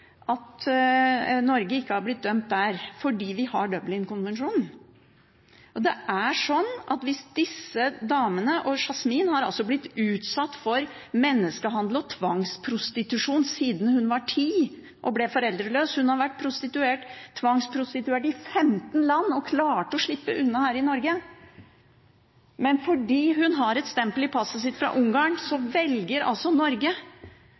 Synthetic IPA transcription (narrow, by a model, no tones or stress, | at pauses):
ʔɑt̪ | nɔɾɡəɪkːəhɑɾblɪt̪̚d̪œmt̪̚d̪æɾfɔɖiːʋɪhɑɖœblɪŋkʊnʋɛnʂuːn | ʔɔd̪ɛʔæʂɔnːʔɑ̰t̪ʋɪsd̪ɪsːəd̪ɑːmənəʔɔʂɑsmiːnhɑɾɑ̰lsɔblɪt̪ːʉːt̪sɑt̪ːfɔɾ | mɛnːəskəɦɑnd̪l̩ɔt̪ʰʋɑŋspʰɾʊst̪ɪt̪ʉʂuːnsiːd̪n̩hʉnʋɑʈʰiː | ʔɔblɛfɔɾɛld̪ɾəløːshʉnhɑɾʋæʈ̚ːpʰɾʊst̪ɪt̪ʉeːʈt̪ʰːʋɑŋspʰɾʊst̪ɪt̪ʉeːʈɪfɛmt̪n̩lɑnːɔkʰlɑːʈəɔʂɭɪpːəʔʉnːɑhæːɾɪnɔɾɡə | mɛnfɔɖiːɦʉnɦɑɾɛt̪st̪ɛmpəlɪpʰɑsːəs̬ɪt̪fɾɑ̰ːʔʊŋɡɑŋsɔʋɛlɡəɾɑ̰lsɔnɔɾɡə